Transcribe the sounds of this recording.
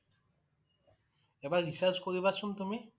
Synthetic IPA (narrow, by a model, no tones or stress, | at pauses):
eβaɡisaskoðiβasunt̪umi